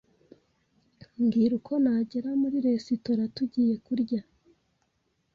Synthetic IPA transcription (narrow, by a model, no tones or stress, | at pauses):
ŋɡiɾukʰo̞naɟeɾamuɾiɾe̞sitoɾatuɟiːje̞kuɾɟa